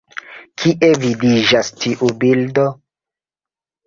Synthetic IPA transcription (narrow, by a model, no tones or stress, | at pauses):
kʰiʔevidid͡ʒastʰiʔubildo